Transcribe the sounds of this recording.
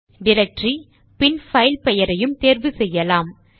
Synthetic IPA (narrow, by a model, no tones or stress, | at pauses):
ɖɪɾɐk̚ʈɾi | pɪnfɐɪlpɛjɐɾɐjɯmt̪eːɾʋɯsɛjːɐlaːm